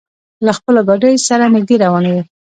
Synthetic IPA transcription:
laxpəloɡaɖəjosaɾanɪɡ̚d̪eɾawɑnawi

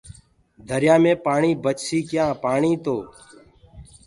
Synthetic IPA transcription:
d̪ʱəɾjaːmẽːpaːɳiːbət͡ʃsiːkjãːpaːɳĩːt̪oː

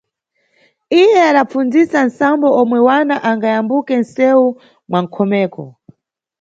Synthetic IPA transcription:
ijɛaɗap͡fund͡zisansambɔɔmwɛwanaʔaŋɡajambukɛn̩sɛu | mwaŋ̩kʰɔmɛːkɔ̰

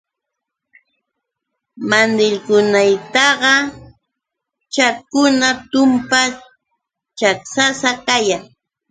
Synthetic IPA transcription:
mand̪ɪʎkʊnajt̪ɑɢɑ | t͡ʃakʊnat̪ʊmpa | t͡ʃaksasakajaŋ

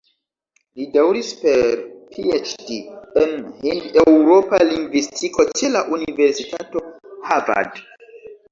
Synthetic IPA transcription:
lidawɾispeɾpʰiet͡ʃdienhindewɾo̞paliŋɡvistʰikʰo̞t͡ʃe̞laʔunive̞ɾsitato̞hava̰d

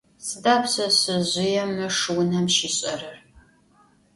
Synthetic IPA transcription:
sɨdaːpsɐɕɨʑʷɪjɛmɨʂɨwnɐmʃiːɕʼɐrɨr

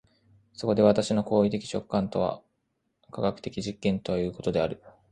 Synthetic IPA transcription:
so̞ko̞d̪e̞βat̪aɕino̞ko̞ːit̪e̞kʲi̥t͡ɕo̞kːãnt̪o̞βa̰ | kaɡakɯ̟̥t̪e̞kʲiʑikːẽ̞nt̪o̞βajɯ̟ːko̞t̪o̞d̪eaɾɯ̟

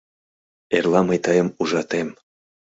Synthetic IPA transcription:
erlˠɑmɤjt̪ɤɑjə̆muʒɑt̪em

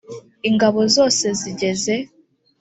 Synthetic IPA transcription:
iŋɡaβo̞zo̞ːse̞ziɟe̞ze̞

